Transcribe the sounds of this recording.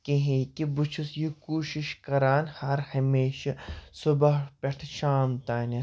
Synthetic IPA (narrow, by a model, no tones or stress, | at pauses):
keɦĩkibut͡ʃʰusjikuːʃiʃkɐɾaːnhɐɾhɐmeːʃɐsʊbɐɦpʲeʈ̪ʰʃaːmt̪aːnɐ